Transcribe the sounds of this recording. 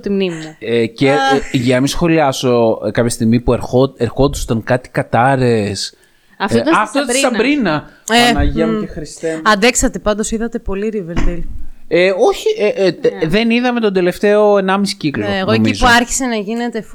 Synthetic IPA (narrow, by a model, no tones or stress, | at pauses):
t̪imnimɐeceʝɐmisxo̞liɐso̞kɐpçɐst̪iɣmipueɾxoeɾxo̞nd̪ɐso̥t̪ɐŋkɐt̪i̥kɐt̪ɐɾes | ɐft̪ot̪ɐɐft̪oɐɾɐbɾinɐ | eɐnɐʝiɐmexɾist̪eɐnd̪eksɐt̪e̞pɐnd̪o̞siðɐt̪e̞po̞liɾiveɾt̪ileo̞çi | ðe̞niðɐme̞t̪od̪e̞le̞ft̪e̞o̞enɐmisi̥ciklnɣoomizuɐɾçi̥senɐʝine̞t̪e